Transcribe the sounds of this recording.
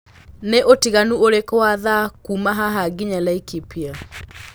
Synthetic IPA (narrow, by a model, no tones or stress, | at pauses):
neʔotiɣanuoɾekɔaðakumaɦaɦaɡiɲalaikipia